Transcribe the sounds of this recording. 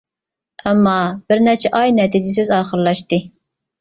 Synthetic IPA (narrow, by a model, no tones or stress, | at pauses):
ɛmːɑb̥ɪɾnɛt͡ʃʰɛʔɑjnɛt̪ʰid͡ʒɪsɪzɑːχəɾlˠɑʃt̪ɨ